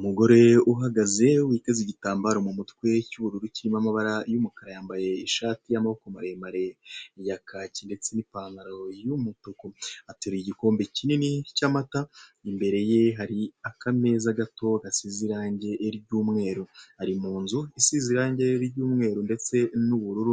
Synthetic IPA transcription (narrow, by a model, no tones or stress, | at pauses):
umuɡo̞ɾe̞uɦaɡaze̞wiːte̞ziɟitaːmbaɾomumutkwe̞cuβuɾuɾuciɾimamaβaɾajumukaɾajaːmbaje̞iʃaːtijamahokomaɾemaɾe̞jakʰacinde̞t͡se̞nipaːŋɡaɾojumutokoateɾiɟiko̞ːmbe̞cininicamataimbe̞ɾe̞je̞ɦaɾiakame̞zaɡato̞ɡasiziɾaːɲɟe̞ʔːɾɟuːmŋe̞ːɾohaɾimuːnzuisiziɾaːɲɟe̞ɾɟuːmŋe̞ːɾonde̞t͡se̞nuβuɾuɾu